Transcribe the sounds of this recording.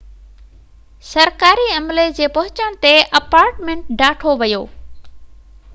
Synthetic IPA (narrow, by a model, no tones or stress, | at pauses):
sɐɾkaːɾiɐmled͡ʑeːpɐɦʊt͡ɕəɽ̃t̪eʔɐpaːɾʈmẽɳʈ̚ɖaːʈʰoʋɐjoː